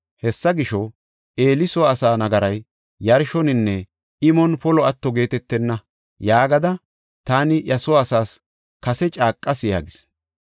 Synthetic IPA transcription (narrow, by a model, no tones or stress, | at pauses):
hɛsːɐɡɪʃɔ | ʔe̞ːlɪsɔːsaːnɐɡɐɾɐjː | ɐɾʃɔnɪnːɛ | ɪmɔnpɔlɔɐt̪ːɔɡe̞ːt̪ɛt̪ːɛnːɐ | jaːɡɐd̪ɐ | t̪aːnɪʔjɐsɔːsaːs | kɐsɛt͡ʃʼaːkʼːɐsja̰ːɡɪs